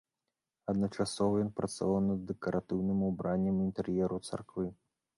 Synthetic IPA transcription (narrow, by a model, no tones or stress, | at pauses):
ɐd̪nɐt͡ʂasɔvɐjɔnpɾɐt̪sa̰vawnɐd̪ːɛkɐɾat̪ɨwnɨmubɾanʲːɐmint̪ɛrjɛɾut̪sa̰rkvɨ